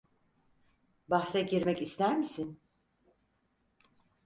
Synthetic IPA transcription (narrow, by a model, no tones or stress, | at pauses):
baxsɛɟiɾmɛcist̪æɾmisin